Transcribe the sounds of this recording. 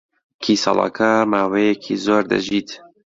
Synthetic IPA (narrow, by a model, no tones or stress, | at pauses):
kʰiːsɑ̰lˠɑ̰ːkʰaːɾmaːwejɛkʰiːzoːɾd̪ɐ̰ʒiːt̪